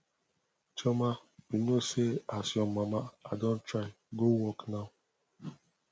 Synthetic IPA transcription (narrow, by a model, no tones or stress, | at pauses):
t͡ʃɔmabinoseasjɔmmamaadõn̩tɾaɪ | ɡowɔknaʊ